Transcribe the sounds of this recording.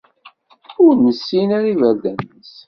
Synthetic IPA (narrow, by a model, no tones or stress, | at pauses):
ʊɾnəsːinæɾivæɾd̪ænəs